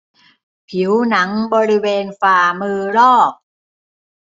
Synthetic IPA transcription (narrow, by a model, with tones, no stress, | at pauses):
pʰi˩˦wna˩˦ŋbɔː˧ɾi˦˥weː˧nfaː˧˩mɯː˧ɾɔː˥˩k̚